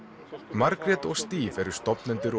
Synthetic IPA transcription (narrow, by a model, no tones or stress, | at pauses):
maɾkɾɛt̪ɔɣst̪iːvɛɾʏ̥st̪ɔpnɛnt̪ʏɾ